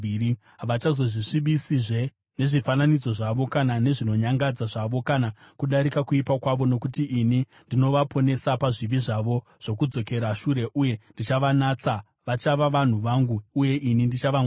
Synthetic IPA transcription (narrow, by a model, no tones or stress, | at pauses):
i | aʋat͡ʃazo̞ʐiʂiɓisiʐe̞ | ne̞ʐifananid͡zo̞ʐaʋo̞kanane̞ʐino̞ɲaŋɡad͡zaʐaʋo̞kanakuɗaɾikakuipakwaʋo̞no̞kutiʔini | ndino̞ʋapʰo̞ne̞sapaʐiʋiʐaʋo̞ | ʐ̥o̞kud͡zo̞ke̞ɾaʃuɾe̞ʔuje̞ndit͡ʃaʋanat͡sa | ʋat͡ʃaʋaʋan̤uʋaŋɡuːje̞ʔinindit͡ʃaʋa